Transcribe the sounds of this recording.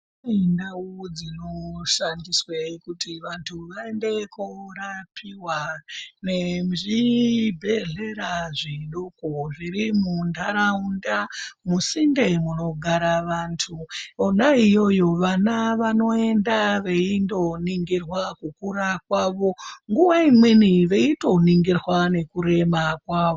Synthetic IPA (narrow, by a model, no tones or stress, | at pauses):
endaod͡zinoʃandisweikutiʋantʰuʋae̞nde̞kurapʰiwane̞ʐibʱe̞ɮe̞ɾaʐiɗokoʐiɾimundʱaɾaundamusinde̞muno̞ɡʱaɾaʋantʰuonaijo̞jo̞ʋanaʋano̞e̞ndaʋeindo̞niŋɡirwakukuɾakwaʋoŋɡuʋaimweniʋe̞ito̞niŋɡirwane̞kuɾe̞makwaːʋo